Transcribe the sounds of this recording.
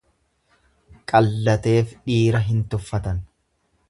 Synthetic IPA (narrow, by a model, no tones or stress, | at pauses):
kʼɐlːɐt̪e̞ːfᶑiːɾɐɦɪnt̪ʊfːɐt̪ɐn